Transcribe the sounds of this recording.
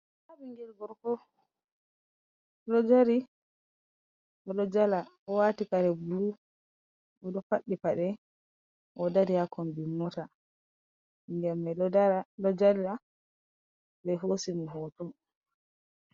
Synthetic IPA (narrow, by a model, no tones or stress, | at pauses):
abiŋɡɛlɡɔɾkɔ | lɔd͡ʒaɾi | ɔɗɔd͡ʒala | ɔwaːtikaɾɛbulu | ɔɗɔfaɗːipaɗɛ | ʔɔdaɾijakɔmbimːɔta | ŋɡɛmːɛalɔd͡ʒala | bɛɦosimiɦɔtɔm